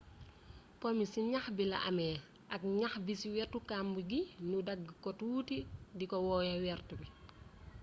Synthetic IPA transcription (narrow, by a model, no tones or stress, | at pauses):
pɔmisiɲaxbilɐ̰ʔɐ̰mɛː | ʔɐk̚ɲaxbisiwɛːrtukambuɡinudɐɡːkɔtuːtidikɔwɔːjɐwɛːrtubi